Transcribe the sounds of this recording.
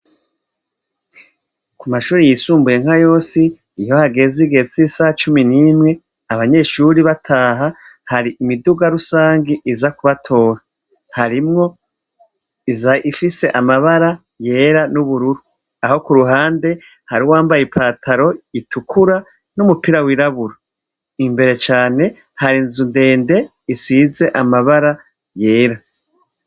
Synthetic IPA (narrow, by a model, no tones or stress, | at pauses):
kumaʃuːɾijisuːmbuje̞ŋ̥ajo̞ːsiː | jo̞haɡe̞ziɡe̞t͡sisaht͡ʃuminiːmŋe̞ | aβaɲe̞ʃuɾiβatʰaːɦa | haɾiimiduɡaɾusaːŋɡiʔizakuβatʰo̞ːɾa | haɾimŋo̞ | izaifise̞ʔamaβaɾa | je̞ːɾanuβuɾuɾu | aho̞kuɾuɦaːnde̞ | haɾiwaːmbajipʰaːtʰaɾo̞itʰukʰuɾa | numupiɾawiɾaβuɾa | imbe̞ɾe̞t͡ʃaːne̞ | haɾinzunde̞ːnde̞ | isize̞ʔamaβaɾa | je̞ːɾa